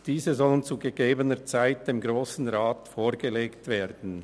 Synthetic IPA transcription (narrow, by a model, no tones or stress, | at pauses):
d̥iːzəzɔlənt͡suɡəɡeːbənət͡saɪt̚d̥eːmɡʁoːsn̩ʁaːtfoːʁɡəleːktv̥eːdn̩